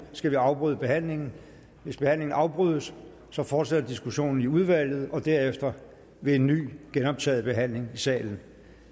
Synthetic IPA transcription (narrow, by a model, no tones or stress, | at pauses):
sɡ̥æʋiɑ̈ʊb̥ʁyð̞ˠb̥e̝ɦæn̰le̝ŋn̩ | ʋe̝sb̥e̝hæn̰le̝ŋn̩ʔɑ̈ʊb̥ʁyːð̞̰ˠəsː | ɒ̽fɒːd̥sed̥ɐd̥isɡ̥uɕo̝̰ːnn̩iuð̞ˠʋæl̰ð̞̩ˠɒ̽d̥æɐ̰efd̥ɐ | ʋe̝e̝nːy̰ːɡ̥enɒ̽b̥̚t͡sʰɛ̰ːð̞̩ˠb̥e̝ɦæn̰le̝ŋisɛ̰ːln̩